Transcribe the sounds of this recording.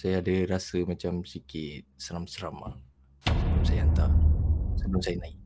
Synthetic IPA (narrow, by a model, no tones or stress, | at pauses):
sajaːdəɾasəmat͡ʃamsikɪt̪̚səɾamsəɾama̰ | əblamsajaant̪arsəblumsajanaik̚